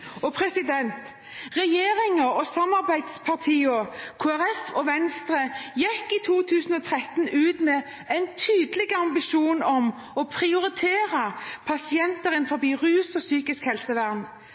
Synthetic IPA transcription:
ɔpʰʁɛsɪd̪ɛnt̪ | ʁɛjeːɾɪŋɔɔsɑmɑʁbæɪd̪spʰɑʁt̪ʰiːɔkʰoːæɾɛfɔʋɛnst̪ʁəjɛkːit̪ʰuːt̪ʰʉːsn̩ɔt̪ʰɾɛt̪n̩ʉːt̪mɛ | æɪnt̪ʰyːd̪əlɪɡəɑmbɪʃuːnɔm | ɔpʰʁɪʊɾɪt̪ʰeːʁɑpʰɑsɪɛnt̪əɾənfɔɾbiːʁʉːsɔsyːkɪskhɛlsəʋæʁn

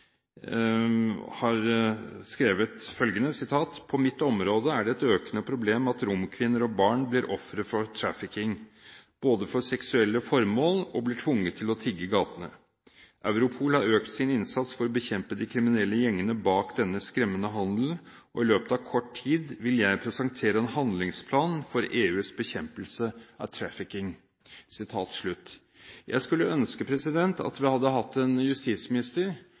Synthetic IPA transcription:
hɑɾskɾeːʋət̪fœlɡənəsɪt̪ʰɑːt̪pʰɔmɪt̪ːɔmɾoːd̪əæɖɛɛt̪øːkənəpʰɾʊbleːmɑt̪ɾʊmkʰʋɪnːəɾɔbɑːɳblɪɾʔɔfɾət̪fɔɾt̪ʰɾæfɪkɪŋb̥oːd̪əfɔɾsɛksʉɛlːəfɔɾmoːlɔ̰blɪʈʰʋʊŋːət̪ʰːɪlɔt̪ʰɪɡːəɡɑːt̪ənə̰ | ʔæʉɾʊpʰuːlhɑɾøːkt̪sɪnɪnsɑt̪sfɔɾɔbəçɛmpəd̪ɪkʰɾɪmɪnɛlːəjɛŋːənəbɑːkd̪ɛnːəskɾɛmːənəɦɑnd̪l̩ | ʔɔɪløːpət̪ɑːʋkʰɔʈʰiːd̪ʋɪljæɪpʰɾɛsɑŋt̪ʰeːɾəɛnhɑnd̪lɪŋspʰlɑːnfɔɾeːʉːsbəçɛmpəlsəɑ̰ʋt̪ʰɾæfɪkɪŋ | sɪt̪ʰɑːt̪ʂɭʉt̪ː | jʔæ̰ɪskʉlːəœnskəpʰɾɛsɪd̪ɛnt̪ʰɑ̰t̪ʋɪhɑd̪ːəɦɑt̪ːɛnjʉst̪iːt̪smɪnɪst̪əɾ

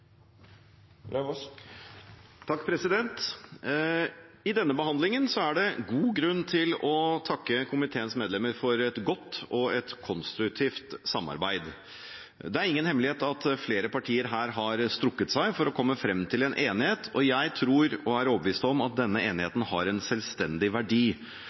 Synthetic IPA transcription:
t̪ʰɑkːpʰɾɛsɪd̪ɛnt̪ | ɪd̪ɛnːəbəhɑnd̪lɪŋənsɔæɖɛɡuːɡɾʉnːt̪ʰɪlɔt̪ʰɑkːəkʰʊmɪt̪ʰeːənsmeːd̪lɛmːəɾfɔɾɛt̪ɡɔt̪ːɔɛt̪kʰɔnst̪ɾʉkt̪ʰiːft̪sɑmːɑ̰ɾbæɪd̪ | d̪ɛæɾɪŋːənhɛmːlɪheːt̪ɑt̪fleːɾəpɑʈʰiːəɾɦæːɾɦɑɾst̪ɾʊkːət̪sæɪfɔɾɔkʰɔmːəfɾɛmːt̪ʰɪlɛnʔeːnɪheːt̪ʰɔjæɪt̪ʰɾuːɾɔæɾɔbəʋiːst̪ɔmɑt̪̚d̪ɛnːəeːnɪheːt̪n̩hɑɾɛnsɛlst̪ɛnd̪ɪʋæɖiː

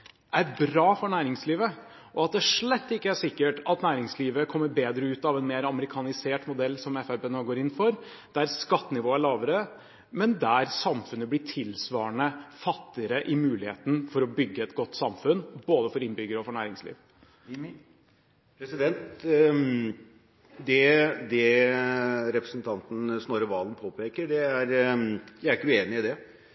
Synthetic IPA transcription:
ʔæɾbɾɑːfɔɳæːɾɪŋsliːʋə | ʔɔɑt̪̚d̪ɛæʂɭɛt̪ːɪkːəæʂɪkːəʈɑt̪næːɾɪŋsliːʋəkʰɔmːəɾbeːd̪ɾəʉːt̪ɑʋɛnmeːɾɑməɾɪkʰɑnɪseːʈmʊd̪ɛlːsɔmɛfæbeːnoːɡoːɾɪnːfɔɾ | d̪̥æɾskɑt̪ːənɪʋoːəæɭɑːʋəɾə | mɛnd̪æɾsɑmfʉnəblɪʈʰɪlsʋɑːəɳəfɑt̪ːɪəɾəʔɪmʉːlɪheːt̪nfɔɾɔbʏɡːəɛt̪ɡɔt̪ːsɑmfʉnboːd̪əfɔɾɪnbʏɡəɾəɔfɔɳæːɾɪŋslḭːʋ | pʰɾɛsɪd̪ɛnt̪ | d̪ɛd̪ɛ | ɾɛpɾəsn̩t̪ʰɑnt̪n̩snoːɾəʋɑːlnpʰoːpeːkəɖɛæɾjæɪæɾɪkːəʉeːnɪɪd̪ɛ

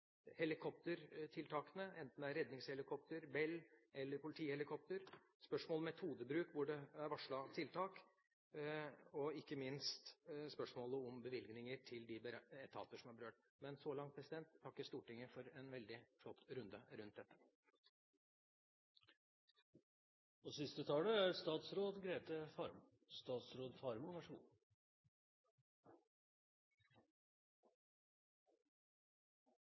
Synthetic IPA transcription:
hɛlɪkʰɔp̚t̪əɾt̪ʰɪlt̪ʰɑːkənəɛnt̪n̩d̪æɾɛd̪nɪŋshɛlɪkʰɔpt̪əɾbɛlːʔɛlːəɾpʰʊlɪt̪ʰiːhɛlɪkʰɔp̚t̪əɾ | spœʂmoːlmɛt̪ʰuːd̪əbɾʉːkʋʊɖɛæɾʋɑʂɭɑt̪ʰɪlt̪ʰɑːk | ɔɪkːəmɪnst̪spœʂmoːləɔmbəʋɪlɡnɪŋəʈʰɪld̪ɪbəɾɛt̪ʰɑ̰ːt̪əʂɔmhɑɾbəɾøːʈ | mɛnsɔlɑŋpʰɾɛsɪd̪ɛnt̪ʰːɑkːəst̪uːʈɪŋːəfɔɾɛnʋɛld̪ɪflɔt̪ːɾʉnd̪əɾʉnt̪̚d̪ɛt̪ːə̥ | ɔsɪst̪ət̪ʰɑːləæɾst̪ɑːt̪sɾoːd̪ɡɾeːt̪əfɑɾm | st̪ɑːt̪sɾoːd̪fɑɾmʊʋæʂṵː

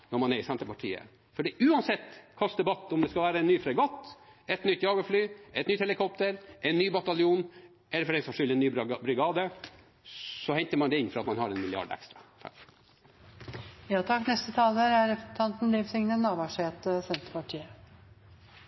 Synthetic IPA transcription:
nɔɾmɑnɛɾɪsɛnt̪əpɑʈʰḭːə̰ | fɔɖɛʔʉːɑnsɛt̪ːkʰɑsd̪ɛbɑt̪ːʊmd̪ɛskɑlʋæːɾəɛnːyːfɾɛɡɔt̪ːɛt̪nʏt̪ːjɑːɡəflyːɛt̪nyt̪hɛləkʰɔp̚t̪əɾʔɛnːyːbɑt̪ɑljuːn | ʔɛlːəɾfɔɖɛnsɔmʂʏlːɛnːyːbɾʏɡɑːd̪ə | sɔhɛnt̪əɾmɑnd̪ɛɪnːfɔɾɑt̪mɑnhɑɾɛnmɪlɪɑ̰ɖɛ̰kst̪ɾɑt̪ʰɑ̰kː | jɑːt̪ʰɑkːnɛst̪ət̪ʰɑːləɾæɾɛpɾsn̩t̪ʰɑnt̪n̩liːʋsɪŋnənɑːʋɑʂeːt̪əsɛnt̪ə̥pɑʈʰiːə

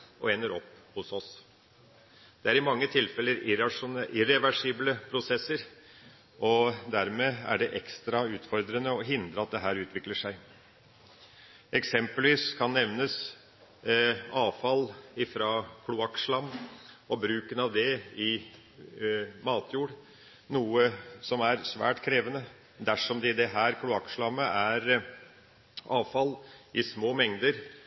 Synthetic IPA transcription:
ʔɔ̰eːnəɾɔpːhʊsɔs | d̪̥ɛæɾɪmɑŋːət̪ʰɪlfɛlːəɾɪɑʂʊɪɾɛʋæʂiːbləpʰɾʊsɛsːəɾ | ʔɔd̪æɾmeːæ̰ɖɛʔɛkst̪ɾɑʉːt̪fɔɾd̪ɾənəɔɦɪnd̪ɾəɑt̪̚d̪ɛɦæːɾʉːt̪ʋɪkləʂæɪ | ʔɛksɛmpəlʋiːskʰɑnːɛʋnəs | ɑːʋfɑlɪfɾɑːkʰlʊɑkʂlɑmɔbɾʉːkənɑʋd̪ɛɪ | mɑːt̪ʰjuːɽ | nuːəsɔmæɾsʋæ̰ːʈkʰɾeːʋənə | d̪æʂɔmd̪ɛɪd̪ɛɦæːɾkʰlʊɑkʂlɑmːəʔæɾ | ɑːʋfɑlʔɪsmoːmɛŋd̪əɾ

